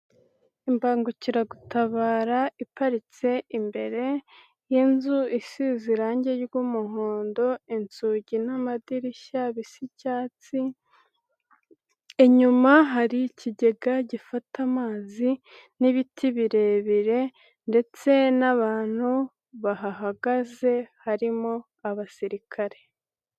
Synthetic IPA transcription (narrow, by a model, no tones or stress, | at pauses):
imbaːŋɡuciɾaɡutaβaːɾaipaɾit͡se̞imbe̞ɾe̞ | jenzuisiziɾaːɲɟe̞ɾɡumuɦoːndo̞int͡suɟinamadiɾiʃaβisicaːt͡si | e̞ɲumaɦaɾiciɟe̞ɡaɟifatʰamaːzi | niβitʰiβiɾe̞βiɾe̞ | nde̞t͡se̞naβaːn̥hu | βaɦaɦaɡaze̞haɾimo | aβasiɾikʰaɾe̞